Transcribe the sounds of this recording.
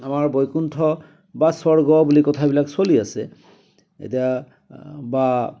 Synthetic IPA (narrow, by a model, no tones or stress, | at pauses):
amaɹbɔjkuntʰɔ | basɔɹɡɔbulikɔtʰabilakswaliasɛ̰ | ḛtija | ba